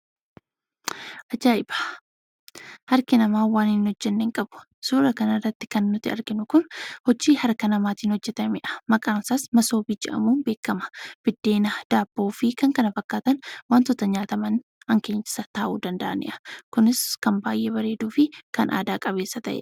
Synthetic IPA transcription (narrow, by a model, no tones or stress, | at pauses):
ʔɐd͡ʒaːɪb̥ḁ | hɐɾkɪnɐmaːwaːnɪnhɔd͡ʒːɛnːeːŋkʼɐb̥ʊ̥ | suːɾɐkɐnɐrːɐt̪ːɪ̥kɐnːʊt̪ːɪɐ̰ɾɡɪnʊkʊnhɔd͡ʒːiːhɐɾkɐnɐmaːt̪iːnhɔd͡ʒːɛt̪ɐmɪᶑɐ̥mɐkʼaːnsaːsmɐso̞ːbiːd͡ʒɛ̰ʔɐ̰muːnbe̞ːkːɐmɐ̥b̥ɪd̪ːe̞ːnad̪̥aːbːo̞ːfɪkɐŋkɐnɐfɐkːaːt̪ɐnwaːnt̪ɔt̪ːɐɲaːt̪ɐmɐn | hɐŋke̞ːɲt͡ʃɪ̥sɐt̪aːʔṵːd̪ɐnd̪ɐ̰ʔɐ̰nɪ̰ʔɐ̥kʊnɪskɐmbaːjʔebɐɾe̞ːd̪uːfɪkɐnʔa̰ːd̪aːkʼɐβe̞ːsːɐt̪ɐʔɛ̰